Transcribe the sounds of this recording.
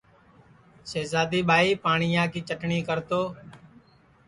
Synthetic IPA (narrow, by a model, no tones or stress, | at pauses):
ʃeːzaːd̪iːɓaːiːpaːɳɪjãːkiːt͡ʃəʈɳiːkəɾt̪oː